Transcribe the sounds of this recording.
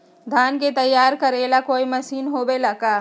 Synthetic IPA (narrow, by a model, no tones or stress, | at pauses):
d̪ʱaːnket̪ɐjːaːɾkɐɾelakoːimɐsiːnɦoːbelakaː